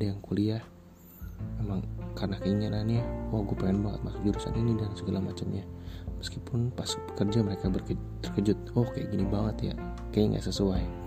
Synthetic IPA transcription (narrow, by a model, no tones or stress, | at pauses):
dajaŋkuliah | memaŋkarənakəiŋanahniwahɡuapaŋɛnbaŋə̰t̪̚masʊk̚d͡ʒuɾusa̰ninidansəɡalamat͡ʃamɲaməskipʊnpasbəkərd͡ʒaməɾekabərkət̪ərkəd͡ʒʊt̪̚ɔhkaja̰ʔɡinibaŋət̪ja̰kajaŋɡa̰ʔsəsuaj